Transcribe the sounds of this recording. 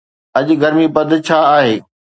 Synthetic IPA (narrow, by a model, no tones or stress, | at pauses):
ɐʄ̆ɡɐɾmipɐd̪ʱt͡ɕʰaːaːɦeː